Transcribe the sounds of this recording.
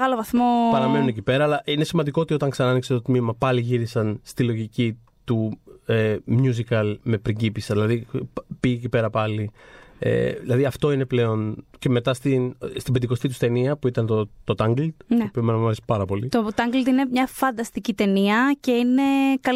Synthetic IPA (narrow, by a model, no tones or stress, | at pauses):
ɣɐlo̞vɐθmo̞pɐɾɐme̞nunecipe̞ɾɐːlɐʔine̞simɐnd̪ikoot̪io̞t̪ɐŋksɐnɐnikset̪o̞t̪mimɐpɐliʝiɾisɐnst̪ilo̞ʝici | t̪uemɲuzikɐlme̞pɾiɟipisɐðilɐðipiecipe̞ɾɐpɐliḛðilɐðiɐft̪o̞ine̞ple̞o̞nce̞me̞t̪ɐst̪inst̪ibed̪iko̞st̪it̪ust̪e̞niɐpuit̪ɐnt̪ot̪o̞t̪ɐŋɡlt̪npiomenɐmɐɾesi̥pɐɾɐpo̞lit̪ot̪ɐŋɡlt̪inemɲɐfɐnd̪ɐst̪icit̪e̞niɐce̞ine̞kɐ